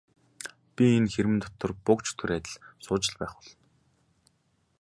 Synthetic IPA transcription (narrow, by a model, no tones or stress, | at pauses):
pʲienxeɾɘ̆nt̪ɔ̥t̪ɞ̆rpʊkt͡ɕʰt̪ʰuɾæːt̪ɘ̆ɮsʊːt͡ɕɪ̆ɮpæːχʊɮɞ̆n